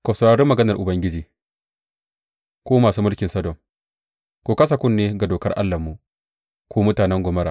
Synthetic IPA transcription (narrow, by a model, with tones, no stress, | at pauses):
kɐ˨sɐ˨ɽaː˨ɽɪ˦mːɐ˨ɡɐ˦nɐ˨rʔʊ˨bɐ˦ŋɡʲɪ˦d͡ʒiː˨ | kʷoː˦maː˨suː˦mʊ˦lkʲɪ˨nsɐ˦dɔ˨ŋ | kʷoː˦kɐ˦s̬a˨kʷʊ˦nːeː˦ɡa˨doː˨kɐ˦rʔa̰˦lːɐ˨mːu˨ʔ | kʷoː˦mʊ˦taː˨nɛ˦ŋɡʷʊ˨mɐ˦ɾaː˨